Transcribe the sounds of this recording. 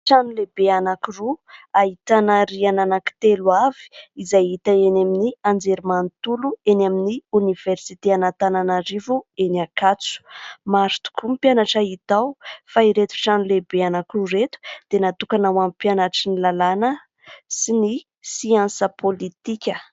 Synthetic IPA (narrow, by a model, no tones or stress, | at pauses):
ʈ͡ʂanulebeanakiruaɦit̪anaɾiananaki̥t̪eluavi̥izajit̪aenaminiand͡zeɾimant̪uluenaminiuniv̥eɾsit̪eanat̪ananaɾivuenakat͡su̥maɾut̪u̥kumipjanaʈ͡ʂait̪awfaiɾet̪u̥ʈ͡ʂanulebeanakiruɾet̪u̥d̪̥enat̪ukanawampjanaʈ͡ʂinilalanə | sini | siãnsəpʰolit̪ikʲə